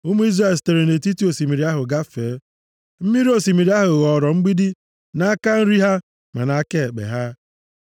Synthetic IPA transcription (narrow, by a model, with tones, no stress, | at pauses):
ʊ˦mu˦i˦zɾa˦˨ste˨ɾe˨ne˨ti˦ti˦o˨si˨mi˨ɾi˨˦a˦ɦʊ˨ɡa˦feː˨˦ | m̩˦mi˦ɾi˦o˦si˨mi˨ɾi˦a˦ɦʊ˨ɣɔ˨ɾɔ˨ŋ͡m̩˦ɡ͡bi˦di˦ | na˦a˦ka˦n̩˦ɾi˦ɦa˦ | ma̰˨na˦ke˦˨k͡pḛ˨ɦa˦